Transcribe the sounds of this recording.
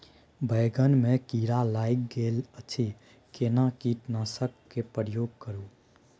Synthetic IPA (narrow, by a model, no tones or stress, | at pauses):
bʱəɪɡənmekiɾalajkɡelət͡ʃʰi | kenakiʈnasəkːepəɾəjoɡ̚kəɾu